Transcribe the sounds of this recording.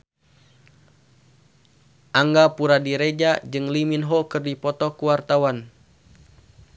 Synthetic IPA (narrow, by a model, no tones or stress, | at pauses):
ʔaŋɡapuɾadiɾed͡ʒad͡ʒɨŋliminɦɔkɨrdipɔt̪ɔkuwart̪awan